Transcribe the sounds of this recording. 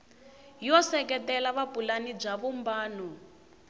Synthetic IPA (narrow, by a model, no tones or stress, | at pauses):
jɔsɛkɛtɛlaβapulanib͡ʐaβumbaːnu